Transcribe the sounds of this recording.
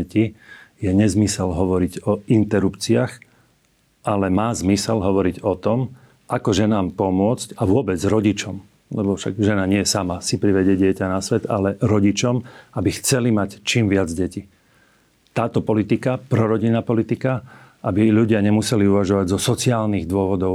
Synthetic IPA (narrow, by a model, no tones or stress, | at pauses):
cijɛɲɛzmisɛlɦɔʋɔɾiɟɔint̪ɛɾupt͡siɪax | ʔalɛmaːzmisɛlɦɔʋɔɾiɟɔt̪ɔm | ʔakɔʒɛnaːmpɔmʊɔt͡scaʋʊɔbɛd͡zɾɔɟit͡ʃɔm | lɛbɔfʃa̰ɡʒɛnaɲɪɛjɛsamasipɾiʋɛɟɪɛɟɪɛcanasʋɛd̪alɛɾɔɟit͡ʃɔmabixt͡sɛlimact͡ʃiːmʋɪad͡zɟɛci | t̪aːt̪ɔpɔlit̪ikapɾɔɾɔɟinaːpɔlit̪ikaʔabiʎuɟɪaɲɛmusɛliuʋaʒɔʋaɟzɔsɔt͡siaːlniɣd̪ʊɔʋɔd̪ɔʊ